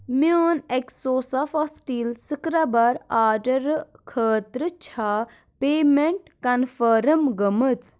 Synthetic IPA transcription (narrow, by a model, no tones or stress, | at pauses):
moːneksoːsɐfɐsʈiːlsɨkɾɐbɐɾaːɖɐɾkʰəːt̪ɾɨt͡ʃʰa | peːmeɳʈkɐnfəːɾəmɡəmɨt͡s